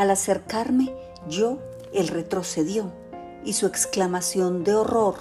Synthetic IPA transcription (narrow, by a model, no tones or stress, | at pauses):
alase̞ɾkaɾme̞ | d͡ʒo | elre̞t̪ɾo̞se̞ðjo | isue̞ksklamasjo̞nd̪e̞oro̞ɾ